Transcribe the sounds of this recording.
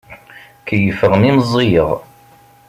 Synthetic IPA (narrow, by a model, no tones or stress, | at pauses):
kəjəfəʁmimzˤːijəʁ